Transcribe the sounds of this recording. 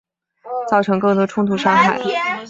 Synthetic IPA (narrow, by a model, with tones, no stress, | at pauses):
t͡sɑ˥˩ʊʈ͡ʂʰɤ˧˥ŋkɤ˥˩t̪ɔ˥ʈ͡ʂʰʊ˥ŋt̪ʰu˥˩ʂa˥ŋxa̰˥˩ɪ